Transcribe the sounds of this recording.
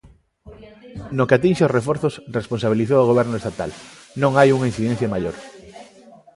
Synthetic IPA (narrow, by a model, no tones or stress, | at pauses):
nokeat̪inʃeosrefoɾθosresponsaβiliθowaɣoβ̞ɛɾnoest̪at̪a̰l | nõŋajuŋain̟θiðen̟θjamaʎoɾ